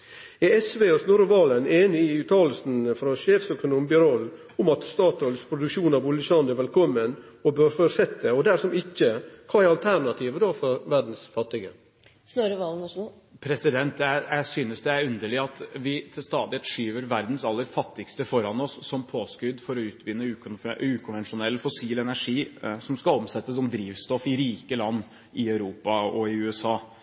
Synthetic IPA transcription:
ɛɛsʋeːɔsnuːɾʋɑːləneːnɪɪʉːt̪ʰɑːləl̩sn̩fɾɔʃeːfsœkʊnuːmbɪɾɔlː | ʊmɑt̪st̪ɑːt̪ɔlspʰɾʊd̪ʉkʃuːnɑʋʊləʃɑnd̪ɛɾʋɛlkʰɔmːənɔbøːɾfɔɾsɛt̪ːəɔd̪æʂɔmɪçəkʰɑːæɾɑlt̪ʰæɾɳɑt̪ʰiːʋəd̪oːfɔɾʋæɾɖn̩sfɑt̪ːɪɡə̰ | snoːɾʋɑːln | pʰɾɛsɪd̪ɛnt̪jæjæɪsyːnəsd̪ɛæɾʉnd̪əɭɪɑt̪ʋɪt̪ʰɪlst̪ɑːd̪ɪɛt̪ʂyːʋəɾʋæɾd̪n̩sɑlːəɾfɑt̪ːɪɡst̪əfɔɾɑnɔsːɔmpʰoːskʉd̪fɔɾɔʉːt̪ʰʋɪnːəʉːkʊnʉːkʰʊnʋɛnʂʊnɛlːfɔsiːlɛnæʂiːsɔmskɑlɔmsɛt̪ːəsɔmd̪ɾiːʋst̪ɔfɪɾiːkəlɑnː | ʔɪœʉɾuːpɑɔɪʉːɛsɑː

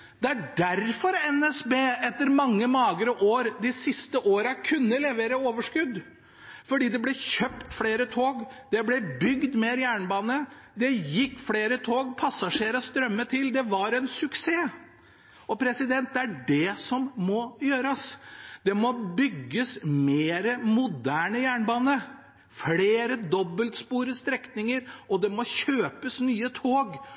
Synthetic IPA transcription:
d̪̥ɛæɖæɾfɔɾɛnɛsbeːɛt̪ːəɾmɑŋːəmɑːɡɾəʔoːɾd̪ɪsɪst̪əʔoːɾɑkʰʉnːəlɛʋeːɾəoːʋəʂkʉd̪ | fɔɖiːd̪ɛblɛçœpt̪fleːɾət̪ʰoːɡd̪̥ɛblɛbʏɡd̪mɛɾjæːɳəbɑːnə | d̪ɛjɪkːfɽeːɾət̪ʰoːɡpʰɑsɑʂeːɾəst̪ɾœmːət̪ʰɪld̪ɛʋɑɾɛnsʉkseː | ɔpʰɾɛsɪd̪ɛnt̪̚d̪ɛæɖɛsɔmːɔjøːɾəsd̪ɛmɔbʏɡːəsmeːɾəmʊd̪æːɳəjæːɳbɑːnə | fleːɾəd̪ɔbːəlt̪spuːɾəst̪ɾɛknɪŋəɾʔɔd̪ɛmɔçøːpəsnyːət̪ʰoːɡ

